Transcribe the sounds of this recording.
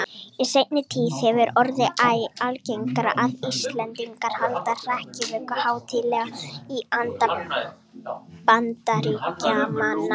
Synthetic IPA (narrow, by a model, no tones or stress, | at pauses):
isejt̪nɪt̪ʰiːðhɛvʏɾɔɾðɪʔaːjalcejŋkɾa̰ʔaðist̪lɛnt̪iŋkaɾ̥halt̪ar̥ahcɪvœkʏhaːwt̪ʰɪlɛɣaiant̪a | pant̪aɾicamana